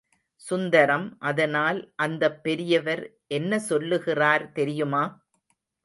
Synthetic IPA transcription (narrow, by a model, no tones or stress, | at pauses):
sʊnd̪ɐɾɐmʔɐðɐnaːlʔɐnd̪ɐpːɛɾɪjɐʋɐɾ | ʔɛnːɐsɔlːɯɣɪraːɾt̪ɛɾɪjɯmaː